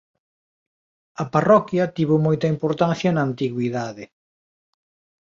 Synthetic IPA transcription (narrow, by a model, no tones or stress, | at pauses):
ɐparɔkjɐt̪iβomɔjt̪ɐimpoɾt̪anθjɐnɐːnt̪iɣwiðaðɪ